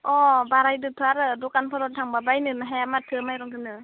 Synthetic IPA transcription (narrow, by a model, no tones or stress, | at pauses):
ɔbaɾajdɯtʰɯaɾɯdɔkanpʰɔɾɔtʰaŋbabajnɯnaɦajamatʰɯmajɾɔŋtʰɯnɯ